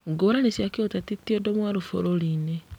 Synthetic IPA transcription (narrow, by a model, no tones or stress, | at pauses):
ŋɡoːɾanesjakiotatitːiɔdɔmwaɾufo̰ɾoline